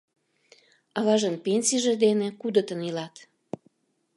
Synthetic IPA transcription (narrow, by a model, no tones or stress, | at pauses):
ɑβɑʒənpenʲsiʒĕd̪enekud̪ət̪ənilɑt̪